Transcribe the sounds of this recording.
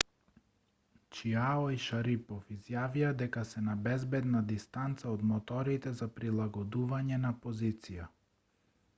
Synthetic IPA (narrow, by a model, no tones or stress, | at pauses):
t͡ʃiaɔiʃaɾipɔfizjaviad̪ɛkasɛnabɛzbɛd̪nad̪ist̪ant̪saɔd̪mɔt̪ɔɾit̪ɛzapɾilˠaɡɔd̪uvaɲɛnapɔzit̪sija